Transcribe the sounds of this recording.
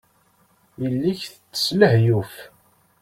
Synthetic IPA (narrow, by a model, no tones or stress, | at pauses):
jəlːiçθət͡sːə̥sləhjuf